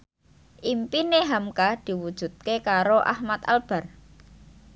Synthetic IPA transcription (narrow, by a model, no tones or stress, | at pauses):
ʔimpineɦamkahd̪̥i̤wud̥ʒ̥ṳt̪̚kekaɾoʔa̰hmat̪a̰lb̥a̤r